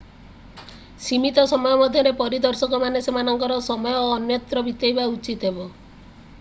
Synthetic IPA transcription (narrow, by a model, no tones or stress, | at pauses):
simit̪ɔsɔmɔjɔmɔd̪ʱjɔɾepɔɾid̪ɔɾsɔkɔmanesemanɔŋkɔɾɔsɔmɔjɔːnjɔt̪ɾɔbit̪jɔjbaut͡ʃit̪ɦebɔ